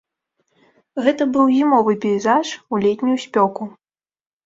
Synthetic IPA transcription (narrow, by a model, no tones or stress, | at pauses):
ɣɛt̪ɐbɨwzʲimɔvɨpʲɛizaʂulʲɛt̪ʲnʲujusʲpʲɔku